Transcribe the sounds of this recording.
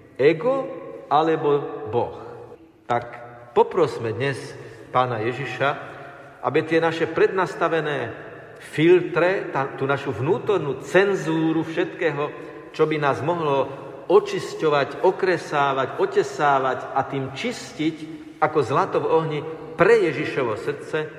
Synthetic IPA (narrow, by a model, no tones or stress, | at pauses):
ɛɡɔalɛbɔbɔx | t̪akpɔpɾɔsmɛd̪ɲɛspaːnajɛʒiʃa | ʔa̰bit̪ɪɛnaʃɛpɾɛd̪nast̪aʋɛnɛː | filt̪ɾɛt̪at̪uːnaʃuvnuːt̪ɔɾnuːt͡sɛnzuːɾufʃɛt̪kɛːɦɔ | t͡ʃɔbinaːzmɔɦlɔ | ɔt͡ʃiscɔʋacɔkɾɛsaːʋacɔcɛsaːʋacat̪iːmt͡ʃiscic | akɔzlat̪ɔvɔɦɲi | pɾɛjɛʒiʃɔʋɔsr̩t͡sɛ